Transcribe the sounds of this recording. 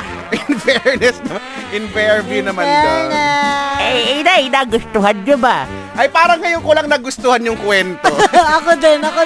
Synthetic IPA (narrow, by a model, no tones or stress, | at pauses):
ʔɪnfɛɹnɛsnɐmaʔɪnvɛɹbjunɐmɐnnʔɛɛnaʔɪnaːɡʊst̪ʊhanɲobɐ | ʔɐjpaːɾɐŋːɐjoŋkolɐŋnɐɡʊst̪ohɐnjʊŋkwɛnt̪oɐkod̪ɛnɐko